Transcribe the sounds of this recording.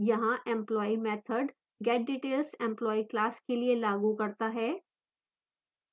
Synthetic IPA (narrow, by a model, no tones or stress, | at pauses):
jɐɦãʔɛ̃mplɔːimɛːt̪ʰəɖ | ɡɛːʈ̚ɖiːʈeːlsɛ̃mplɔːiklaːskelielaːɡukɐɾt̪aɦɛː